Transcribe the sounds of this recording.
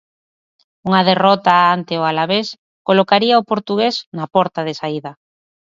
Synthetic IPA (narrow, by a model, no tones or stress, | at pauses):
uŋaðerɔt̪aant̪eʊalaβes | kolokaɾiaopoɾt̪uɣ̞esnapɔɾt̪aðesaiða